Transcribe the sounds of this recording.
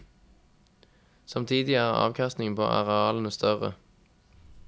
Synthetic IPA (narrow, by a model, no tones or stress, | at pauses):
sɑmt̪ʰiːd̪ɪæːʁɑ̰ːʋkʰɑst̪nɪŋpʰo̰ːʔɑ̰ʁɛɑːlnəst̪œʁə̰